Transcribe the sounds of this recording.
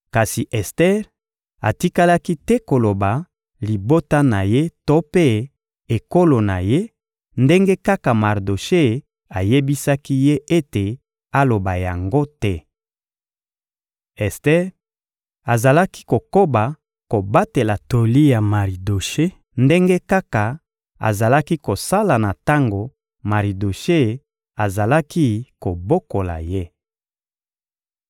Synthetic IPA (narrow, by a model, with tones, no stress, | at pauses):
ka˨si˨ʔɛ˨stɛ˦ʁ | a̰˨ti˦ka˦la˦ki˦tɛ˦ko˨lo˨ba˨ | li˨bo˦ta˦na˨je˦to˦pe˦ | e˨ko˦lo˨na̰˨je˦ | nde˦ŋɡe˦ka˦ka˨ma˨ʁdo˨ʃe˦ | a˨je˦bi˦sa˦ki˦je˦ʔe˦te˨ | a˦lo˨ba˨ja̰˨ŋɡo˦tɛ˦ | ɛ˨ste˦ | a˨za˨la˦ki̥˦ko˨ko˦ba˨ | ko˨ba˦te˨la˨to˨li˦ja˨ma˨ʁi˨do˨ʃe˦ | nde˦ŋɡe˦ka˦ka˨ | a̰˨za˨la˦ki˦ko˨sa˦la˨na˨ta˦ŋɡo˨ | ma˨ʁi˨do˨ʃe˦ | a˨za˨la˦ki˦ko˨bo˦ko˨la̰˨je˦